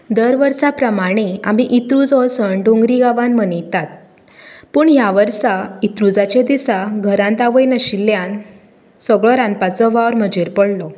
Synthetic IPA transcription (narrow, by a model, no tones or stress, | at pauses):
d̪əɾʋəɾsapɾəmaɽ̃ia̰miʔit̪ɾud͡zɔsəɳɖõŋɡɾiɡaʋãnmənit̪at̪̚ | puːɳɦjaʋəɾsait̪ɾud͡zat͡ɕẽd̪isaɡʱəɾãnt̪aʋəjnəɕilːjan | səɡɭɔɾanpat͡sɔʋaʋɾməd͡ʑeɾpəɽlɔ